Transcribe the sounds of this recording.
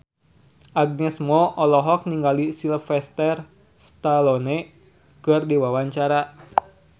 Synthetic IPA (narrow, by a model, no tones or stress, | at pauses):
ʔaɡ̚nɛsmɔʔɔlɔɦɔk̚niŋɡalisilfɛst̪ɛr | st̪alɔnɛ | kɨrdiwawaɲt͡ʃaɾa